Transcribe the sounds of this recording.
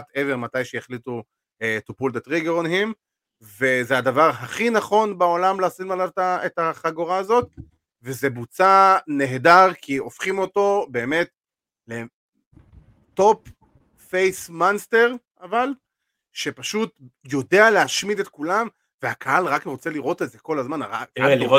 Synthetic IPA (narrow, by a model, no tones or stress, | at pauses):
at̪eveʁmatajʃejeχlitu | et̪upuld̪etʁiɡeʁonɦim | ve̞zead̪avaʁɦaχinaχo̞nbao̞lamleasitmalavtaetaχaɡoʁaːzo̞t̚ | vezebut͡sane̞ɦedaʁkʰio̞fχimo̞to̞be̞ːme̞t̪ | le | to̞p | fejsmanst̪e̞ʁʔaval | ʃe̞paʃutjo̞dealeɦaʃmidet̪kulam | veakʰaalʁakʁo̞t͡se̞liʁo̞t̪etzeko̞lazmanʁaa